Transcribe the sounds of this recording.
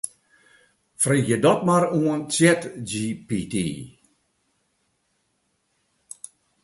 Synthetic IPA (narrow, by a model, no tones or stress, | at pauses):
friːxjədɔt̚maruənt͡sjɛtd͡ʒiːpitḭː